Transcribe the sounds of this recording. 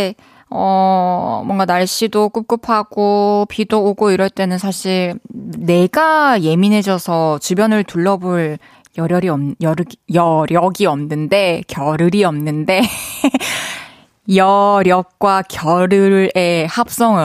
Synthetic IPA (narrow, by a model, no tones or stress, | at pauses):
e | ʌ | mwʌŋɡanaɭɕ͈ʰidok͈up̚k͈ɯpʰaɡ̥opidoːɡoiɾʌɭt͈e̞nɯnsʰaɕʰiɭne̞ɡaje̞minɦe̞d͡ʑʌsʰʌt͡ɕubjʌnɯɭtuɭːʌbuɭ | jʌɾjʌɾiʌmjʌɾɯɡjʌɾjʌɡiʌmnɯnde̞kjʌɾɯɾiʌmnɯnde̞ | jʌɾjʌk̚k͈wakjʌɾɯɾe̞hap̚s͈ʌŋɯ